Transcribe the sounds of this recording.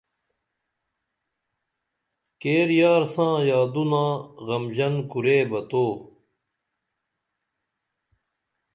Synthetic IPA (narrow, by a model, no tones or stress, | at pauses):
keːɾjaːɾsãːjaːd̪unãːɣɐmd͡ʑɐnkuɾeːbɐt̪oː